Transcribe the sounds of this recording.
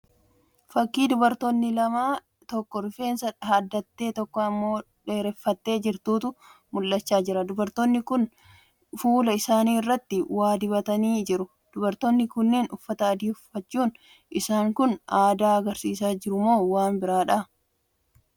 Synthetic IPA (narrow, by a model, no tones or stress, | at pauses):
fɐkːiːd̪ʊbɐɾt̪onːɪlɐmaː | t̪ɔkːɔɾʊfe̞ːnsɐᶑɐɐd̪ːɐt̪ːe̞ːt̪ɔkːɔɐmːo̞ː | ᶑe̞ːɾɛfːɐt̪ːe̞ːd͡ʒɪɾt̪uːt̪ʊmʊlːɐt͡ʃːaːd͡ʒɪɾɐd̪ʊbɐɾt̪onːɪkʊn | fuːlɐɪsaːniːɪrːɐt̪ːɪwaːd̪ɪbɐt̪ɐniːd͡ʒɪɾʊ | d̪̥ʊbɐɾt̪onːɪkʊnːeːnʊfːɐt̪ɐɐd̪iːʊfːɐt͡ʃːuːn | ʔɪsaːŋkʊnʔaːd̪aːɐɡɐɾsiːs̬aːd͡ʒɪɾʊmo̞ːwaːnbɪɾaːᶑa